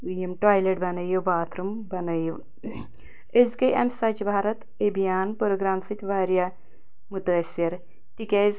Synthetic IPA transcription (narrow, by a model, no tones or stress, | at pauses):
ujɐmʈaːjleʈ̚bɐnɐjɐʋbaːt̪ʰɾumbɐnɐjɐʋ | ezkɐjʔɐ̰nsɐt͡ʃbʱaːɾɐt̪ | ebijaːnpoɾoɡɾaːmsit̪ʰʲʋaːɾja | mut̪əsjɐɾ | t̪ikʲɐz